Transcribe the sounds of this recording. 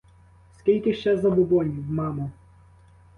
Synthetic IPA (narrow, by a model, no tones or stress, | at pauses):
skʲilʲkɪʃt͡ʃɛzɐbʊbɔnʲiwmɑmʊ